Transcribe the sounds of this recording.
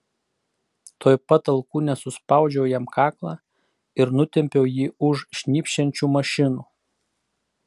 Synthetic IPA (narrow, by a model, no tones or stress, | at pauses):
t̪oːjpɐt̪ɐlˠkuːnʲɛsʊspɑˑʊd͡ʒʲɛʊjɛmkʰɑːklˠɑ | ɪɾnʊt̪ʲɛmʲpʲɛʊjiːʊʃʃʲnʲiːpʲʃʲɛnʲt͡ʃʲuːmɐʃʲɪnuː